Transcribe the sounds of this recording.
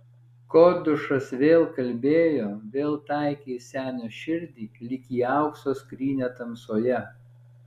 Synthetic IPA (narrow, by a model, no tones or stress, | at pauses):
koːd̪ʊʃɐsʋʲeːlˠkɐlʲbʲeːjoːʋʲeːlˠt̪ɑˑɪkʲiːsʲæːnʲoːʃʲɪɾʲd̪ʲiːlʲɪkʲiːɑˑʊksoːskɾʲiːnʲɛt̪ɐmsoːjɛ